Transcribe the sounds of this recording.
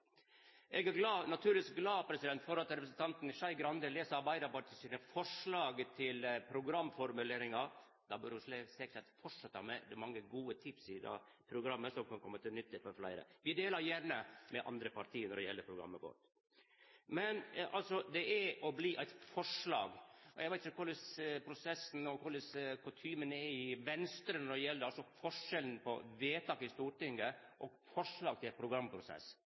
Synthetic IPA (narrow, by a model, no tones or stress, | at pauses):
ʔɛɡæɾɡlɑːnɑt̪ʰʉːlʋisk̚ɡlɑːpʰɾɛsɪd̪ɛnt̪fɔɾɑt̪ːɾɛpəsnt̪ʰɑnt̪nɪʂɑɪɡɾɑnd̪əleːsəɑɾbæɪd̪ɑbɑɾt̪ʰɪsiːnəfɔʂlɑːɡt̪ʰɪlpʰɾʊɡɾɑmːfɔɾmʉleːɾɪŋɑ | d̪ɑbøɾʊʂlɛksɛkə̥ʈɛt̪fɔʈʂɑt̪ːɑmɛd̪ɛɛɾmɑŋːəɡuːət̪ʰɪpsɪd̪ɑ̰ | pʰɾʊɡɾɑmːəsɔmkʰɑnkʰɔmːət̪ɪlnʏt̪ʰːəfɔɾflæ̰ɪɾə̰ʋɪd̪eːləɾjæɾnəmɛʔɑ̰nd̪ɾəpʰɑɾʈʰiːnɔɖ̪ɛjɛ̰lːəpʰɾʊɡɾɑ̰mːəɡɔ̰t̪ | mɛnʔɑlsɔd̪ɛʔæɾɔbliːʔæɪt̪fɔʂlɑ̰ːɡɔjæɪʋæɪt̪ɪçəkʰʊɭəspʰɾʊsɛsːn̩ɔkʰʊləskʰʊt̪ʰyːmənɛɪʋɛnst̪ɾənɔɖɛjɛlːəɾɑlsɔfɔʂɛln̩pʰɔ̰ʋeːt̪ʰɑːkɪst̪uːʈɪŋɡəʔɔɡfɔʂɭɑːɡt̪ʰɪlpʰɾʊɡɾɑmpʰɾʊsɛ̰s